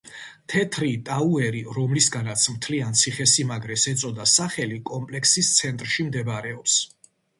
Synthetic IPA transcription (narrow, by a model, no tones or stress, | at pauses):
t̪ʰɛt̪ʰɾit̪ʼauɛɾiɾɔmlisɡanat̪sʰmt̪ʰliant̪sʰiχɛsimaɡɾɛsɛt̪sʼɔd̪asaχɛlikʼɔmpʼlɛkʰsist̪sʰɛnt̪ʼɾʃimd̪ɛbaɾɛɔps